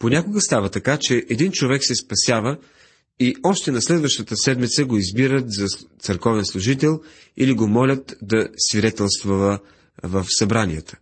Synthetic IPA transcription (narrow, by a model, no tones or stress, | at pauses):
ponʲakoɡəst̪avət̪ɐkat͡ʃɛʔɛd̪int͡ʃovɛksɛspɐsʲjavə | iɔʃt̪ɛnɐslɛd̪vəʃt̪ət̪əsɛd̪mit̪səɡoizbiɾət̪zɐt̪səɾkɔvɛnslˠʊʒit̪ɛlˠ | iliɡomɔlʲət̪d̪ɐsvid̪ɛt̪ɛlˠst̪vovə | vəfsɐbɾanʲijət̪ə̥